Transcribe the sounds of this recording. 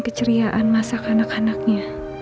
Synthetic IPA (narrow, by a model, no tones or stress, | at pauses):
kət͡ʃəɾiaʔanmasakanakanak̚ɲa